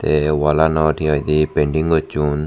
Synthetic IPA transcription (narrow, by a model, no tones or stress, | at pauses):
t̪ewɔlanɔʈʰiɔjd̪ipeɳɖiŋɡɔt͡ʃːun